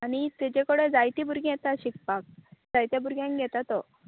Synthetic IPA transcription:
aɽ̃it̪ed͡ʑekəɽed͡zajt̪ibʱuɾɡĩjɛt̪aɕik̚pak̚d͡zajt̪jabʱuɾɡjãŋkɡʱɛt̪at̪ɔ

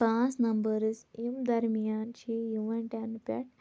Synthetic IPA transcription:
pãːsnɐmbəɾzimd̪ɐɾmijaːnt͡ɕijuʋɐnʈanpḛʈ

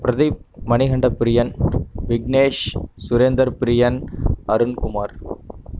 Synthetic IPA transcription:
pɪɾɐðimɐnɪɣɐɳɖɐpːɪɾɪjɐnʋɪɡneːʂsʊɾend̪ɐɾpɪɾɪjɐnɐɾɯnkʊmaːɾ

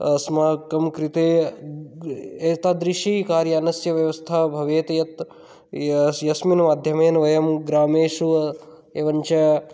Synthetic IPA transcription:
smaːkɐmkɾit̪eː | eːt̪aːd̪ɾiʃikaːɾjɐːnɐsjɐʋjɐʋɐst̪ʰabʱɐʋeːt̪ɐjɐt̪ | jɐsminɐmaːd̪ʱjɐmeːnɐʋɐjɐmɡɾaːmeːʃuɐ | eːʋɐɲt͡ʃɐ

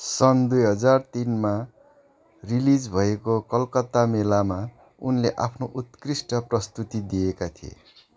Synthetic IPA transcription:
sʌnd̪ujɦʌd͡zart̪inma | rilid͡zbʱʌekokʌlkʌt̪amelama | unleʔapʰnoʔut̪krisʈʌprʌst̪ut̪id̪ijekat̪ʰiḛ

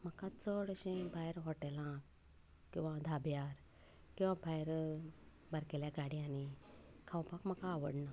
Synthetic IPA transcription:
m̤əkãt͡səɽəɕẽbʱajɾɦɔʈelã | kĩw̃ʋãd̪ʱabjaɾ | kĩw̃ʋãbʱajɾ | bəɾkeljaɡaɽjãnikʰãwpakm̤əkaːʋəɽna

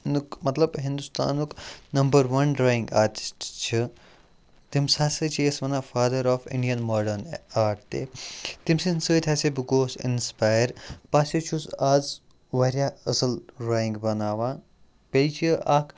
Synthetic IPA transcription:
nukmɐt̪lɐbɦĩnd̪ust̪a̰ːnuknɐmbɐɾʋɐnɾoːjiŋɡa̰ːʈi̥sʈt͡ʃʰi | t̪imsasɨt͡ʃʰisʋɐnafaːd̪ɐɾɔːfḭ̃ɳɖijɐnmɔːɖɐɾnaːʈt̪ḛt̪imsinsɨːt̪ʲʰasebiɡoːsḭnspaːjəɾpasit͡ʃʰusaːz | ʋɐɾʲjaɐsɐlɾoːjiŋɡbɐnaːʋã | pelit͡ʃʰiʔakʰ

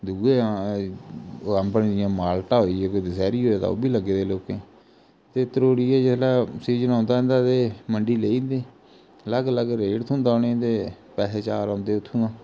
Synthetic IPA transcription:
d̪uːeːãː | əmpənd͡ʒɪjãːmaːlʈaːɦoːiɛːkoːd̪ɪsɛːɾiːɦoːeːt̪a̰ːo̰ːbiːləɡeːd̪eːloːkẽː | t̪eːt̪əɾoːɽiːɛːd͡ʒɪt̪laːsiːzənãːnd̪aːɦnd̪aːt̪eːməɳɖiːleːiːnd̪eː | ləɡələɡɾeːʈt̪ʰũːnd̪aːnẽt̪eː | pɛːɦeːt͡ʃaːɾãːnd̪eːʊt̪ʰːũːãː

